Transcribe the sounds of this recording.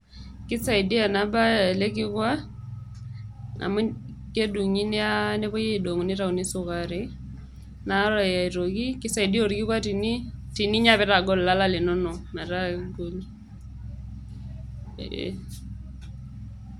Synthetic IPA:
kɪ˦sa˨i˨di˦a˨na˨ba˦˨le˦kɪ˦kwa˦ | a̰˨mʊ˦ | ke˦du˨ŋi˦ni˦a˦ne˦bɔ˦je˦˨do˨ŋu˨ni˦ɾa˨u˨ni˦sʊ˨ka˨ɾe˨ | na˦ɾa˨ja˨i˨ɾo˨ki˦kɪ˦sa˨i˨di˦o˦˨ɾkɪ˦kwa˦ti˨ni˦ti˨ni˦ɲa˦pɛ˦ɾa˨ɡo˦lla˦la˦lɪ˨nɔ˦nɔ˨ma˨ɾa˦ɡo˦l

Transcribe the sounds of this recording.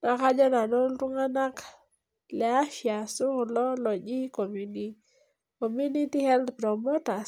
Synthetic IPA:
na˨ka˦ɲd͡ʒɔ˦na˨nɔ˦ltu˦ŋa˦na˦k | lɛ˨a˦ʃja˨su˦˨lɔ˦lɔ˨d͡ʒi˦ko˨muni˦ | ko˨mu˦ni˦ti˦hɛ˦ld̪pɾɔ˨mo˦ta˨

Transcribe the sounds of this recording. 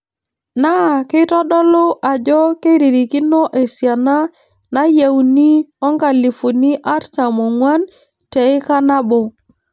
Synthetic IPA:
na˦˨kɪ˦tɔ˦ɗɔ˦lo˦ʔa˨d͡ʒɔ˦ke˦ɾi˨ɾi˨ki˦no˦ʔe˨sja˨na˦ | na˦ja˨u˨ni˦ɔ˦ŋɡa˨li˨fu˨ni˦ʔa˦ɾta˨mo˨ŋwa˦n | te˨ɪ˦ka˦na˦bo˨

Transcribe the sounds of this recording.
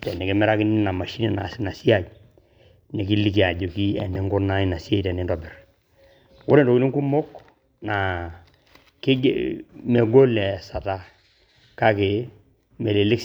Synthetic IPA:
tɛ˨nɛ˨kɪ˦mɛ˦ɾa˦kɪ˦nɪ˦na˨ma˨ʃi˦ni˨na˨sna˨si˦a˦˨j | nɛ˨ki˦li˦k̬i˨a˨ɟo˨ki˦ɛ̰˨nɛ˦ŋɡʊ˦ɾna˦i˦na˨si˦a˦tɛ˨nɛ˨ndɔ˨bɪ˨r | wʊ̰˦ɾe˦ndɔ˨kɪ˦nɪ˦ŋku˦mo˦k | na˨ | kɪ˦ɡ̰mɛ˨ɡo˦lɛ˨sa˨ta˦ | ka˦ke˨ | mɛ˨le˨lɪ˦k

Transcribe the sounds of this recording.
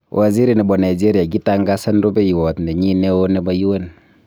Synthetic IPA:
wʔa˨zi˦ɾi˨nɛ˨bɔ˨na˨id͡ʒe˦ɾija˨ɡi˦taŋɡa˦sa˦ndo˦be˦ji˨wɔ˨tne˨ɲi˦ne˦o˦nɛ˦ba˦ji˦we˦n

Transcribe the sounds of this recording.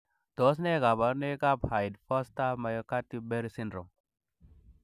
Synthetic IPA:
d̥ɔ˨˦s̬nɛ˦ɡa˨ba˨˦ɾnɛ˦ɡa˦bha˨jdfɔ˦sta˦ma˨jɔ˦ka˦tːi˦be˦ɾi˦si˦ndɾɔ˨m

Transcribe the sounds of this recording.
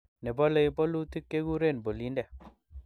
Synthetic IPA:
nɛ˨bɔ˦le˦˨jbɔ˦lu˦t̪i˦kːe˦ɡu˦ɾe˦˨nbo˨li˦ndɛ˨

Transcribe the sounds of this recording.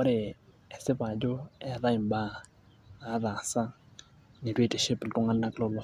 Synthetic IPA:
ɔ˦ɾe˨ | ɛ˨sɪ˦pa˨d͡ʒo˦ɛ˨ða˦ɪ˨mba˦ | a˨˦ða˨sa˦ | ni˨twe˦˨te˨ʃe˦pɪ˨ltʊ˦ŋa˦nːa˦kɪ˦lɔ˦lɔ˦

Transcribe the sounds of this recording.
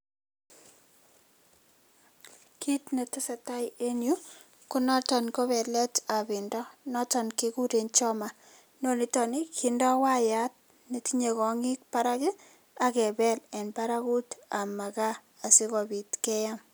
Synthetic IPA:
ki˦tne˨tɪ˦sa˨ta˦je˦nju˦ | kʊ˦nɔ˦tɔ˨nkɔ˦bɛ˨lɛ˦ta˨bɪ˨ndɔ˦nɔ˦tɔ˨nki˦ku˦ɾe˨nt͡ʃɔ˦ma˨ | no˦ni˨tɔ˨nɪ˦kʰɪndɔ˦wa˦ja˨˦t̚ | ne˨ti˦ɲe˨kɔ˨ŋɪ˦k̚pa˦ɾa˦kɪ˦ | a˨kɛ˨bɛ˦lɛ˨npa˦ɾa˦ku˦ta˨ma˨ka˦ | a˨sɪ˦kɔ˨bi˨tkɛ˦ja˦m

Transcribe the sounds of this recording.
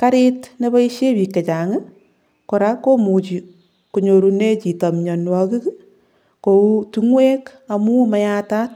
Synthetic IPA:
ka˦ɾɪtne˦ba˦i˦ʃje˦bi˨kːe˨t͡ʃa˨ŋe˦ | ko˨ɾa˦kːo˦mu˨t͡ʃi˨ | ku˨ɲo˨ɾu˧ne˦t͡ʃi˨ta˨mɲɔ˨nwɔ˦ki˦k | kou˦tu˦ŋwe˦ka˨mu˦ma˦jata˦t̚

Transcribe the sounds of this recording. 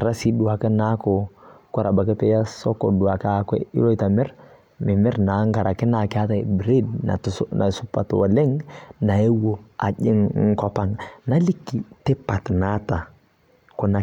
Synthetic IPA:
ɾa˦si˦du˨a˨kɛ˦na˦ko˨ka˦ɾa˨ba˨kɛ˦pɛ˦ja˦sɔ˦ko˨du˨a˨kɛ˦a˨kwɛ̰˦ḭ˦lo˦˨ta˨mɪ˦ɾ | mɪ˨mɪ˦ɾna˨˦ŋɡa˨ɾʔa˨kɪ˦na˨kɪ˦a˦ta̰˦˨bɾe˦dna̰˨na˨sʊ˦pa̰˨two̰˨le˦ŋna˨e˦wo˨a̰˨ʄɪ̰˦ŋŋ̩˦kɔ˦pa˨ŋna˦li˦kːi˨te˦pa˨tna˦ta˨ | ko˨na˨

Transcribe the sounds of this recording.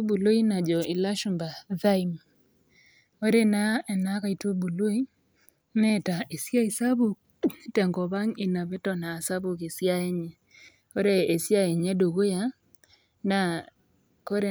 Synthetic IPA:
bu˨lo˦i˦na˨d͡ʒɔ˨ʔi˨la˦ʃu˨mba˨ða˦i˨m | o˦ɾe˦na˦˨na˦ka˨i˨to˦bu˨lo˦i˦ | nɛ˦ta˨e˨sja˦i˨sa˦βu˨k | e˦tɛ˨ŋɡɔ˨βa˦ŋɪ˨na˨βɛ˦tɔ˨naː˨sa˦βu˨ke˨sja˦e˦ɲɛ˨ | o˦ɾe˦e˨sja˦e˨ɲɛ˦do˨ɣo˦ja˦ | na˨ | ko˦ɾe˦

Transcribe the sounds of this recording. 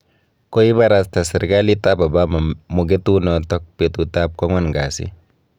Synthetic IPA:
ko˦i˦βa˦ɾasta˨sɪ˨ɾɡa˦li˦ta˦ba˨ba˦ma˨mo˨ɡe˦tu˦nɔ˨tɔ˦k̚petu˨ta˦p̚kɔ˦ŋwa˦nɡa˨sḭ˦

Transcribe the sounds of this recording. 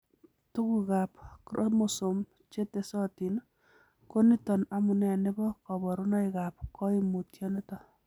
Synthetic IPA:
tu˦kukapkɾo̰mosom | t͡ʃe˦te˨sɔ˦ti˨n | ko˦ni˦tɔ˨namu˨nɛ˨nɪ˦bɔ˦kɔ˨bɔ˨ɾu˦nɔ˦ikap̚kɔ˦imu˨tjɔne˦tɔ˨

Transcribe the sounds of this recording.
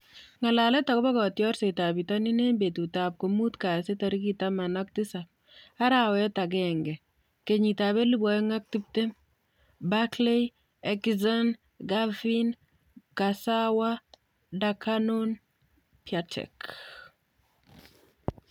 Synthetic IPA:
ŋa˨la˨lɛ˦ta˨kɔ˦ba˦kɔ˨tjɔ˦rse˨ta˨bi˨ta˦ni˦ne˦mbe˨tu˨ta˨p̚ko˨mu˦tka˨se˦tɔ˨ɾi˦ki˦ta˦ma˨na˦k̚tisap̚ | a˦ɾawɛta˨ɡɛŋɡɛ˨ | ke˨ɲi˨ta˨βɛ˦li˦bɔjŋa˦k̚ti˦p̚te˦m | bakle˦j | ɛkizɔ˦n | ɡalfin | kasawa˦ | dakʰano˦n | pjatɛ̰k

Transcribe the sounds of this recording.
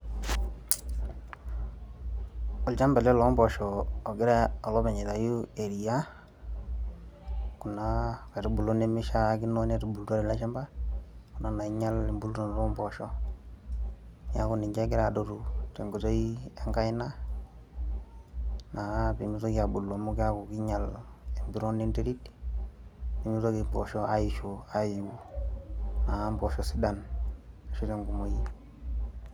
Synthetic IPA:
ɔ˨lt͡ʃa˦mba˨lɛ˦lɔ˦mbɔ˨ʃɔː˨ɡɪ˦ɾɛ˦ɔ˨lɔ˦bɛ˨ɲɛ˨ta˨ju˦e˨ɾi˨ja˦ | ku˨na˦kɛ˨tu˦bu˨lo˦ne˦mɪ˦ʃa˦kɪ˦no˦ne˦tu˨bu˨lta˦ɾi˨la˦ʃa˦mba˦ku˨na˦na˨i˦ɲa˦lɪ˨mbu˦lo˦ɾo˨n˨ɾɔ˦mbɔ˨ʃɔ˦ | ja̰˦ku˨ni˨ɲd͡ʒe˦ɡi˦ɾa˨do˨tu˨te˨ŋɡu˨to˦ie˦ŋka˦jna˦ | na˨a˦pi˨mi˦so˦kia˨bu˨lːo˨mu˦ki˦a˦ku˨ki˦ɲa˨le˨mbi˦ɾo˦ni˦nte˦ɾi˦d | pi˨mi˦so˦ki˨bo˨ʃo˦a˦i˨ʃoa˦ju˦ | na˨ambo˨ʃɔ˦si˦dana˨ʃo˦te˦ŋku˨mo˨ji˦

